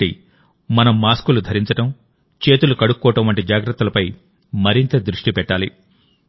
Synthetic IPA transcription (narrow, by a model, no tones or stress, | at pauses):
i | mɐnɐmːaːskulud̪ʱɐɾiɲt͡ʃɐʈɐm | t͡ʃe̞ːt̪ulukɐɽukkːɔːʈɐmʋɐɳʈid͡ʒaːɡɾɐt̪ːulɐpɐj | mɐɾint̪ɐd̪ɾuʂʈipɛʈːaːlḭ